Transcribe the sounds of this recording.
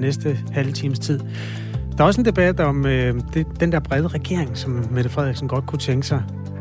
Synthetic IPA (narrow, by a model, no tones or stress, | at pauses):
nesd̥əhælt͡sʰiːməst͡sʰið̞̰ˠ | d̥ɑ̈ɐɒ̽s̬e̝nd̥e̝b̥æd̥ɒ̽mød̥e̝d̥end̥eɐb̥ʁɛð̞ˠəʁɛɡ̥e̝ɐ̰eŋsɒ̽mːed̥əfʁɛð̰ˠiɡ̥sn̩ɡ̥ɒ̽d̥̚kʰut͡sʰeŋɡ̥ə̥sɑ̈ɪ